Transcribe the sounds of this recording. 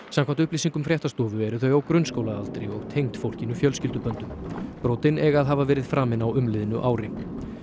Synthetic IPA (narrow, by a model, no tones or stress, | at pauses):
sãmkvamt̪ʏhpliːsiŋkʏmfɾjɛht̪ast̪ɔːvʏɛɾʏθœɥjawkɾʏnskowlaðalt̪ɾɪɔɣt̪ʰejŋt̪fowl̥cɪnʏfjœlscɪlt̪ʏpœnt̪ʏmpɾɔːt̪ɪnɛɣaðɦavavɛːɾɪðfɾaːmɪnawʏmlɪðɪnʏʔaːwɾɪ